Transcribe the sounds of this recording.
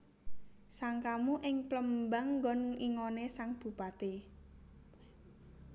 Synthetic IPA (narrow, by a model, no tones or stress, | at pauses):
saŋkamuʔɪŋpləmbaŋːɡɔnŋiŋonesaŋb̥ṳpat̪e